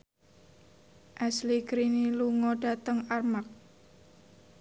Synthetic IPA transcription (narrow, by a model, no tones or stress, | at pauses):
ʔɛsliɡɾiniluŋɔɖ̥a̤t̪əŋarmak̚